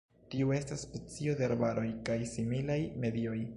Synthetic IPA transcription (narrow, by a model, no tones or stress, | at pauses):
tiue̞stasːpe̞t͡sio̞de̞aɾbaɾʔo̞jkajsimilajme̞dio̞j